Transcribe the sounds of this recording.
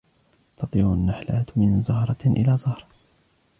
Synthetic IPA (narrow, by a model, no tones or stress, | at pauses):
t̪ɑt̪ˤiːɾʊnːaħlaːt̪mɪnzɑhɾˤɑʔɪ̰laːzɑhɾˤ